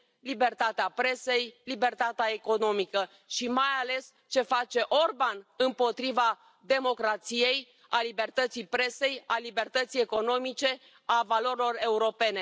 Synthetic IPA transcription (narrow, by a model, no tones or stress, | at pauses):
libe̞rt̪at̪eapɾe̞se̞jlibe̞rt̪at̪eaeko̞no̞mikə | ʃimajale̞s | t͡ʃe̞fat͡ʃe̞ʔo̞rbanɨmpo̞t̪ɾiva | d̪e̞mo̞kɾat̪sije̞j | alibe̞rt̪ət̪sijpɾe̞se̞jalibe̞rt̪ət̪sijeko̞no̞mit͡ʃe̞ | avalo̞ɾilo̞re̞uɾo̞pe̞ne̞